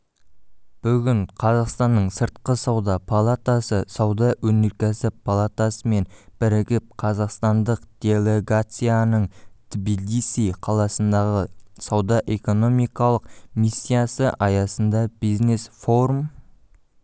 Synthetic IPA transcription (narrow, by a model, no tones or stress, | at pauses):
b̥ʏɡʲɪɴqʰɑzɑqst̪ɑnːəɴsəɾt̪̚qəsɑwd̪ɑpʰalˠat̪asəsɑwd̪ɑwɵneɾkʲesɪpʰalˠat̪asəme̞nb̥ɪɾɪɡʲɪp̚qʰɑzɑqst̪ɑnd̪əqd̪̥ʲe̞lʲeɡat̪sɨjanəɴt̪bilisiqʰɑlˠɑsənd̪ɑʁəsɑwd̪ɑʔe̞ko̞no̞mijkɑlˠəqmisʲːijasəʔɑjɑsənd̪ɑb̥ijzne̞sfo̞ɾum